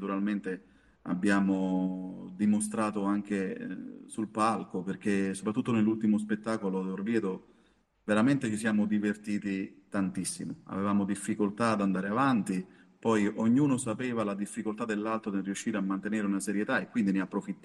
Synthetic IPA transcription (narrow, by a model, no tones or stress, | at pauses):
t̪uɾalment̪e | a̰bːjaːmo | d̪imost̪ɾaːt̪oaŋk̟esulpalkoperk̟esopɾat̪ːut̪ːonelːult̪imos̬pet̪ːaːkolod̪orvjɛːd̪o | veɾament̪et͡ʃisjaːmod̪ivert̪iːt̪it̪ant̪isːḭmoa̰vevaːmod̪ifːikolt̪ad̪and̪aːɾeavant̪i | pɔjʔoɲːuːnosapɛːvalad̪ifːikolt̪ad̪elːalt̪ɾod̪erːijuʃːiːɾeamːant̪eneːɾeunasɛɾjet̪aekwind̪ineapːɾofit̪ː